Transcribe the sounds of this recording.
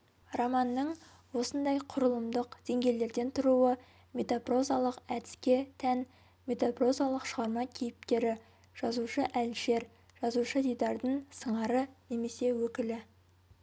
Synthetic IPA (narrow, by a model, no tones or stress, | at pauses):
romɑnːəɴ | wo̞sənd̪ɑjqʰʊɾəlˠəmd̪əqd̪̥eŋɡʲe̞jle̞ɾd̪e̞nt̪ʰʊɾuwə | me̞t̪apro̞zalˠəqæd̪ɪ̥skʲe̞t̪ʰæn | mʲe̞t̪apro̞zalˠəqʃəʁɑɾmɑkʲʰijɪp̚t̪e̞ɾɪ | ʒ̥ɑzuʃəʔælʃe̞ɾ | ʒ̥ɑzuʃəd̪ijd̪ɑɾd̪əɴsəɴɑɾəne̞me̞se̞wɵkʲɪlɪ